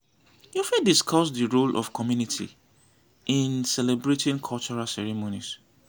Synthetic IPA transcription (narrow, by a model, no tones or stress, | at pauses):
jufɛdiskʰɔsdəɹolʔɔ̰fkʰɔmjunitʰḭ | ʔĩnsɛlɛbɹetʰĩŋkʰɔlt͡ʃɔɹasɛɹimonis